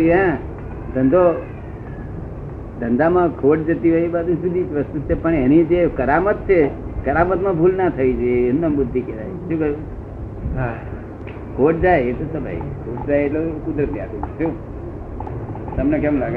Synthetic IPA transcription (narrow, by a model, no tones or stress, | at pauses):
iã | d̪ənd̪o | d̪ə̃nd̪amãkʰoʈ̚d͡ʒət̪iʋʱəibad̪usud̪ʱiʋəst̪ut̪̚t͡ʃʰepəɳenid͡ʒekəɾamət̪̚t͡ʃʰekəɾamət̪mãbʱulnat̪ʰəid͡ʒeenːəbʊd̪ʱːiked̪a̰jʃũkəu | a | kʰoʈ̚d͡ʒajet̪osəbʱa̰ḭkʰoʈ̚d͡ʒajeʈlekʊd̪ɾət̪ia̰t̪ũnt̪ʰũ | t̪əmnekɛmlaɡe